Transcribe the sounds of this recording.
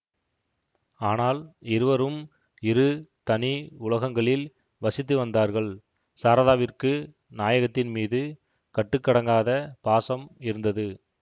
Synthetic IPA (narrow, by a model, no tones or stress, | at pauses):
aːnaːlɪɾɯʋɐɾɯm | ɪɾɯt̪ɐniʊɭɐɣɐŋɡɐɭɪl | ʋɐsɪt̪ːɯʋɐnd̪aːɾɣɐɭ | saːɾɐðaːʋɪrkɯ | naːjɐɣɐt̪ːɪnmiːðɯ | kɐʈːɯkːɐɽɐŋɡaːðɐpaːsɐmɪɾɯnd̪ɐðɯ